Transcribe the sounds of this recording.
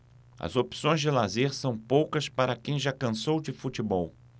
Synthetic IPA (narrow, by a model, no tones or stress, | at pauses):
ɐ̰zopsõj̃zd͡ʒɪlazeɾsɐ̃w̃powkɐspaɾɐkẽj̃ʒakɐ̃sowd͡ʒɪfut͡ʃibɔw